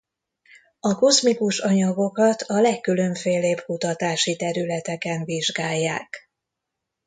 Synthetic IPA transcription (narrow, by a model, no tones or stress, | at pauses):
ɒko̞zmikuʃɒɲɒɡo̞kɒt̪ʰɒlɛkːyløɱfeːleːbkut̪ɒt̪aːʃit̪ɛɾylɛt̪ɛkɛnviʒɡaːjːaːk